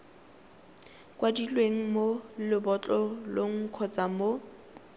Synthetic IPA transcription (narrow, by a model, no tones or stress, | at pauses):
kwadilweŋ̩molɪbɔt͡ɬʼɔloŋ̩kʰɔt͡sʼamo